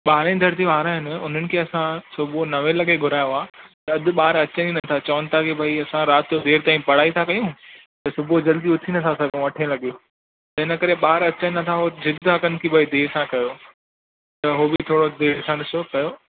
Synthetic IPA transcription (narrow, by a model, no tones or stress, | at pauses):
ɓaːɾẽd̪ʱɐɾt̪iʋaːɾãɦɪnʊn̤ənɪ̆kʰeːɐsãsʊbʱonɐʋẽlɐɠeɡʱʊɾaːjoaːt̪ɐɐd̪ʱɪ̆ɓaːɾɐt͡ɕəninɐt̪ʰat͡ɕɐʋənɪ̆t̪ʰakebʱɐiɐsãɾaːt̪jod̪eːɾt̪aːĩpɐɽ̤aːit̪ʰakɐjũ | t̪ɐsʊbʱod͡ʑɐld̪iʊt̪ʰinɐt̪ʰãsɐɡõʋɐʈʰẽlɐɠijo | t̪ɐɦɪnə̆kɐɾeɓaːɾɐt͡ɕənnɐt̪ʰaɦozɪd̪ʱɦɐkənɪ̆kʰebʱɐid̪eːɾsãkɐjoː | t̪ɐɦobɪt̪ʰoːɽod̪eːɾsãɗɪsokɐjoː